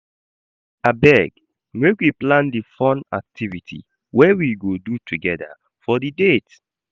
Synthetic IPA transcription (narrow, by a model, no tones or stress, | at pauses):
abɛɡ | mekwiplãndifɔ̃na̰k̚tʰivitʰḭ | wɛwiɡodutʰuɡɛda̰ | fɔdidet